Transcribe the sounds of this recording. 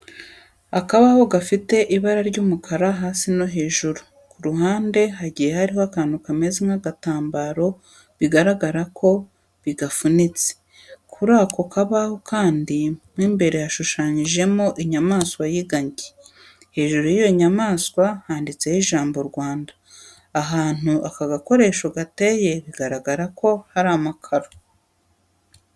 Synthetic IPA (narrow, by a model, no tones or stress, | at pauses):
akaβaho̞ɡafite̞ʔiβaɾaɾɟuːmukʰaɾaɦaːsino̞ɦe̞ːʒuɾu | kuɾuɦaːnde̞ɦaɟiːje̞haɾihoakaːnukame̞ziŋaɡataːmbaɾo̞ | βiɡaɾaɡaɾakʰo̞ | βiɡafunit͡se̥ | kʰuɾaːkʰo̞kʰaβahokaːndimwiːmbe̞ɾe̞jaʃuʃaːɲiʒe̞moʔiɲamaːskwajiɡaɲɟe | he̞ːʒuɾujijo̞ɲamaːskwahaːndit͡se̞jiʒaːmbo̞ɾɡwaːndaː | ɦaːn̥uʔakaɡako̞ɾe̞ːʃoɡate̞je̞βiɡaɾaɡaɾako̞haɾaːmakʰaɾo